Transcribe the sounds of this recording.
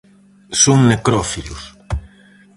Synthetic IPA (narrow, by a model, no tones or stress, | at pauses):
sõŋnekɾɔfilus